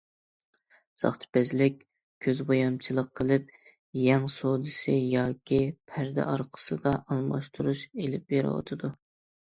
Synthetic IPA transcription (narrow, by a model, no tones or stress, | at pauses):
z̥ɑ̰χt̪ʰɨ̥pɛzlɪkʲ | kʲʰøzbojɑmt͡ʃʰilˠəqʰːəlˠɨp̚ | jɛŋsod̪ɨsɨjɑːkʲʰipʰæɾd̪ɛ̰ʔɑɾqʰə̥sɨd̪ɑʔɑlˠmɑ̰ʃt̪ʰuɾuʃelɪp̚jeɾ̰wɑ̰t̪ʰɨd̪u